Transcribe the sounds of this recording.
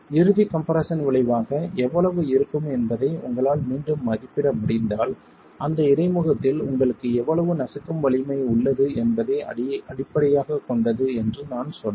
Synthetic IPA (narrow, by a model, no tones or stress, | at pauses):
ɪɾɯðikɐmpɐɾɐsɐnʋɪɭɐɪʋaːɣɐɛʋːɐɭɐʋɯɪɾɯkːɯmɛnbɐðɐɪʊ̰ŋɡɐɭaːlmiːɳɖɯmːɐðɪpːɪɽɐmʊɽɪnd̪aːl | ʔɐnd̪ɐɪɽɐɪmɯɣɐt̪ːɪlʊ̰ŋɡɐɭɯkːɯɛʋːɐɭɐʋɯnɐsɪkːɯmʋɐɭɪmɐɪʊɭːɐðɯɛnbɐðɐɪɐɽɪpːɐɽɐjaːɣɐkːɔɳɖɐðɯɛndrɯnaːnsɔnː